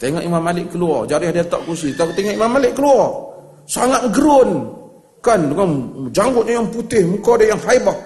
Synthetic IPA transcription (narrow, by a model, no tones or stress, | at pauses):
t̪eŋaʔimamːalɪʔkəluɔrd͡ʒaɾɪhdat̪a̰ʔkus̬it̪aut̪eŋaʔimamːalɪʔkəluɔr | saŋat̪̚ɡəɾʊn | kandəŋand͡ʒaŋɡʊt̪̚ɲajaŋput̪ɪhmukadajaŋɦaiba